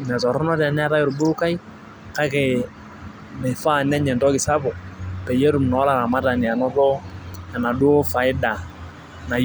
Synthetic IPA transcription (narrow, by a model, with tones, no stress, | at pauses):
nɛ˨tɔ˨ɾɔ˦nɔ˦tɛ˨nɛ˦ɾa˦jɪ˨ɾbʊ˦ka˦i˦ | ka˦ke˨ | me˨fa˦˨nɛ˦ɲɛ˨ndɔ˦kɪ˨sa˦bɔ˨pɛ˨je˦ɾu˨mnɔ˨˦la˨ɾa˨ma˦ta˨ni˨a˨nɔ˦ðɔ˦ɛ˨na˨du˦o˦fa˨ɪ˦da˨ | na˨